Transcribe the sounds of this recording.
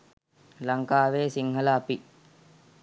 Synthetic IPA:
lɐŋkaːʋeːsiŋɦɐlaːpi

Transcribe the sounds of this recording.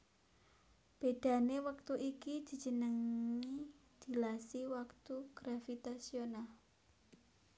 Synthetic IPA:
b̥ed̪̥a̤newak̚t̪uʔikid̪̥i̤̥d͡ʒ̥ə̤nəŋi | d̪̥i̤lasiwakt̪uɡ̥ɾafit̪asional

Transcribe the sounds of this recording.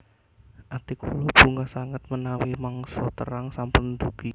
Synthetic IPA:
ʔat̪ikulob̥ṳŋɡasaŋət̪̚mənawimaŋsɔt̪ə̰ɾaŋsampʊnd̪uɡ̥i

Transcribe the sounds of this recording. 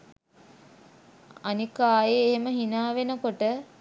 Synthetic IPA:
anikaːjeːɦeməɦinaːʋenəkoʈə

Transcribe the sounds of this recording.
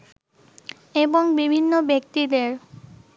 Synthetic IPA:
eboŋbibʱinːobjek̚t̪id̪eɹ

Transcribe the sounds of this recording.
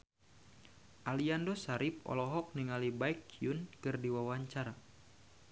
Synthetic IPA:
ʔaliandɔsaɾip̚ɔ̰lɔɦɔk̚niŋalibaikiunkɨrdiwawaɲt͡ʃaɾa

